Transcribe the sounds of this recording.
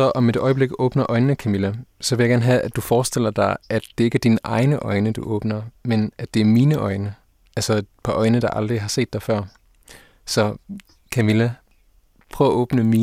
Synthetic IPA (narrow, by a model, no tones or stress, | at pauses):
ɐʔɒ̽med̥ɒ̽ɪəb̥le̝ɡ̥ɔ̽ːb̥nɐʔɒ̽ɪnnəkʰæmilæsɒ̽ʋeljaɡ̥æɐnɦææd̥ufɒːsd̥el̰ɐd̥ɑ̈ɪʔæ̥d̥e̝e̝ɡ̥æɐd̥inʔɑ̈ɪnəʔɒ̽ɪnəd̥ṵʔɔ̽ːb̥nɐmenʔæd̥e̝æɐmiːnəʔɒ̽ɪnə | ʔælsɐpʰɒ̽ʔɒ̽ɪnəd̥ɑ̈ʔɑ̈ld̥ʁiɦɑ̈se̝̰ːd̥ɑ̈ɪfɶɐ̰ | sɒ̽ | kʰæmilæ | pʰʁ̥œʊɐʔɔ̽ːb̥nəmiː